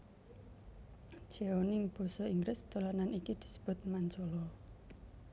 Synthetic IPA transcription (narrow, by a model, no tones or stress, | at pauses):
d͡ʒ̥eonɪŋb̥ɔ̤sɔiŋɡɾɪsd̪̥o̤lananikid̪̥i̤̥sə̥b̥ʊ̤t̪̚maɲt͡ʃolɔ